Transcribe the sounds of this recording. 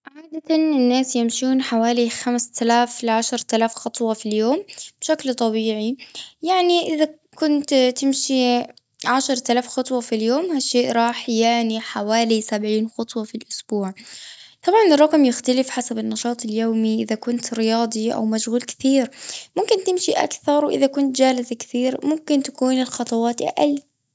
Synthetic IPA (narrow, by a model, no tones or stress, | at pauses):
ʕaːd̪at̪anɪnːaːsjɪmʃuːnħawaːlixamst̪alaːflɪʕaʃɑɾˤt̪alaːfxɑt̪ˤwɑfiljoːmb̥ʃaklt̪ˤɑbiːʕijaʕniʔɪða | kʊnt̪t̪ɪmʃi | ʕaʃɑɾˤt̪alaːfxɑt̪ˤwɑfiljoːmhaʃːeːʔɾˤɑːħjaʕniħawaːlisabʕiːnxɑt̪ˤwɑfilʔʊsb̥uːʕt̪ˤɑbʕɑnɪrˤːɑqmjɪxt̪alɪfħasabɪnːɑʃɑːt̪ˤɪljoːmiʔɪðakʊnt̪ɾɪjɑːd̪ˤiʔa̰wmaʃɣuːlkɪ̥θiːɾmʊmkɪnt̪ɪmʃiʔa̰kθɑɾˤwʔɪðakʊnt̪̚d͡ʒaːlɪzkɪ̥θiːɾmʊmkɪnt̪ḁkuːnɪlxɑt̪ˤɑwɑːt̪ʔa̰ʔa̰l